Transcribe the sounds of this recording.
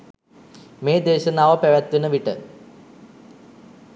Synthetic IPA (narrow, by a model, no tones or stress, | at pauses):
meːd̪eːɕɐnaːʋɐpeʋɐt̪ːinɨʋiʈːɨ̰